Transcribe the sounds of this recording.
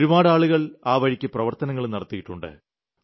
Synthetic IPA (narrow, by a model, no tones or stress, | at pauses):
ɾumaːɽaːɭuɣɐɭaːʋɐɻikʲːɨprɐʋɐrt̪ɐnɐŋːɐɭnɐrɐt̪ːijiʈːuɳɖɨ̰